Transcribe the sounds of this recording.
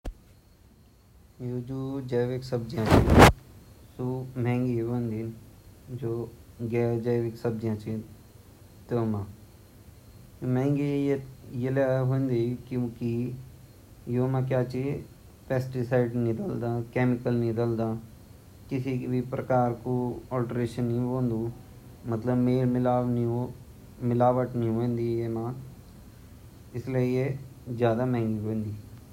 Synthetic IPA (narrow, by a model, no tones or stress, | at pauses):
joːd͡ʒoːd͡ʒeːʋeksəb̚d͡ʒjãːt͡ʃi | sumɛ̃ːŋɡeːʋõnd̪ind͡ʒoːɡeːd͡ʒəːʋɪksəb̚d͡ʒjãt͡ʃĩ | t̪oːmãː | mɛ̃ːŋɡejelaɦõnd̪ikːki | joːmãːkjaːt͡ʃi | pɛːsʈisaɪɖnɪd̪əld̪aːkeːmɪkəlnɪd̪əld̪aː | kɪsikbʱipɾəkaːɾkoɔːlʈɾeːʃənːiɦõːnd̪uː | mɐt̪ləbmeːɾmɪlaːnio | mɪlaːʋəʈniɦoːẽnd̪ijeːmãː | ɪsliejezjaːd̪amɛ̃ːŋɡiɦõːnd̪iː